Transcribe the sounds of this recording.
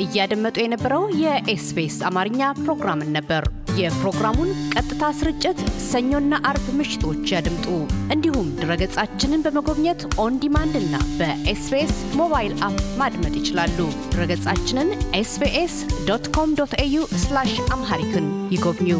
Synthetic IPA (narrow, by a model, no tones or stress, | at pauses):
ʔɨjːad̪əmːət̪ʼujɛnəbːəɾəwjɛʔesbesamaɾɨɲːapɾo̞ɡɾamɨnːəbːəɾjɛpɾo̞ɡɾamunkʼət̪ʼːɨt̪ʰasɨɾɨt͡ʃʼːɪt̪səɲːo̞nːaʔaɾbmɨʃɪ̥t̪ʰo̞t͡ʃːjad̪ɨmt̪ʼuʔɨnd̪ihumd̪ɨɾəɡət͡sʼat͡ʃːɪnɨnbəməɡo̞βɲɛt̪ʔo̞nd̪imand̪ɨnːa̰bəʔesbes | mo̞βajɪlapmad̪mət̪ʼjɪt͡ʃɪlalːud̪̥ɨɾəɡət͡sʼat͡ʃːɪnɨnʔesbeʔesd̪ot̪kʰo̞md̪ot̪ʰejuslaʃʔamɦaɾit̪ʰunjɪɡo̞βɲːu